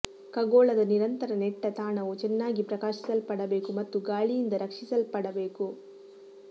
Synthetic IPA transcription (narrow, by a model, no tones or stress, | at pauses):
kɐɡoːɭɐd̪ɐniɾɐnt̪ɐɾɐnɛʈːɐt̪aːɳɐʋut͡ʃɛnːaːɡipɾɐkaːʃisɐlpɐɽɐbe̞ːkumɐt̪ːuɡaːɭijind̪ɐɾɐkʂisɐlpɐɽɐbe̞ːku